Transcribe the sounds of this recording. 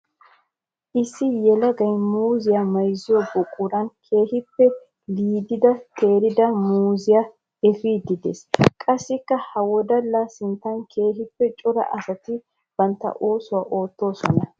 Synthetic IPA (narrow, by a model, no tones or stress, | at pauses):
ʔɪsːɪjɛlɐɡɐjmuːzɪjamɐjzɪjɔbʊkʼʊɾɐnkʰe̞ːhɪpːɛ | liːd̪ɪd̪ɐt̪ʰe̞ːɾɪd̪ɐmuːzɪja | ɛfiːd̪ɪd̪ḛskʼɐsːɪkːɐhɐwɔd̪ɐlːasɪnt̪ːɐŋkʰe̞ːɦɪpːɛt͡ʃʼʊɾɐ̰ʔɐsɐt̪ɪ | b̥ɐnt̪ːɐ̰ʔo̞ːsʊwaʔo̞ːt̪ːo̞ːsɔnɐ